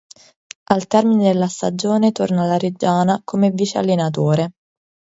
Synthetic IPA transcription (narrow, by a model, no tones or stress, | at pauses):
alt̪ɛrmined̪elːast̪ad͡ʒoːnet̪ornalaɾed͡ʒaːnakʰomevit͡ʃea̰lːenat̪̬oːɾe